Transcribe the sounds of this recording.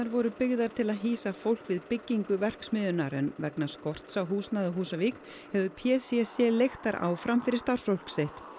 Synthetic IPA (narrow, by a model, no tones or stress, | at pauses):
aɾvɔɾʏpɪɣðaɾ̥t̪ʰɪlaðɦiːsafowl̥kvɪðpɪcːiŋkʏvɛr̥ksmɪðʏnaɾɛnvɛknaskɔr̥t̪sawɦuːsnaðaɦuːsavik | hɛvʏpʰjɛːsiɛsɛlejxt̪aɾʔa̰ːwfɾamfɪɾɪ̥ɾ̥st̪ar̥svowlksejht̪